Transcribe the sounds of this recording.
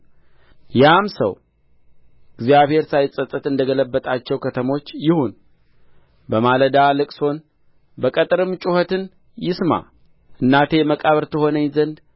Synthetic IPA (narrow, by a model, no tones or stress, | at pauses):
jamsə̰w | ɨɡzijaβhe̞ɾsajsʼət̪ʼːət̪ɨnd̪əɡələbːət̪ʼat͡ʃːɛwkʰət̪ʰəmo̞t͡ʃːjɪhun | bəmaləd̪alɨkʼso̞n | bəkʼət̪ʼɨɾɨmt͡ʃʼuhət̪ɨn | jɪsma̰ | ʔɨnːat̪ʰeməkʼaβəɾt̪ʰəho̞nəɲzənd̪